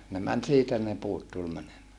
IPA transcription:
ne mæn siːtæ ne puːt tul mænemæː

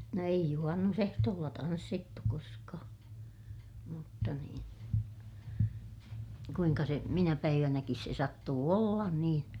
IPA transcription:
no eij juhɑnːusehtoːlːɑ tɑnsːitːu koskɑː mutːɑ niːn kuiŋkɑ se minæ pæiʋænækis se sɑtːuː olːɑn niːn

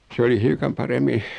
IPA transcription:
sĕ oli hiukɑm pɑremːi

